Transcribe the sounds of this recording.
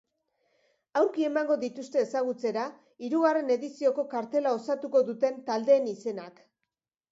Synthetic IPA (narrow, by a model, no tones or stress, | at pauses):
awɾkie̞maŋɡo̞ðit̪ust̪e̞ːsaɣ̞ut͡se̞ɾa | iɾuɣ̞are̞ne̞ðisio̞ko̞kaɾt̪e̞lao̞sat̪uko̞ðut̪e̞nt̪ald̪e̞ːnise̞nak